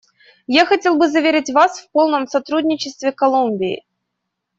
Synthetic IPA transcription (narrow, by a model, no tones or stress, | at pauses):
jaxɐtʲe̞lˠbɨzɐvʲeɾʲɪtʲvasfpo̞lˠnəmsɐt̪ɾudʲnʲɪt͡ɕɪst̪vʲɪkɐlˠumʲbʲɪɪ̰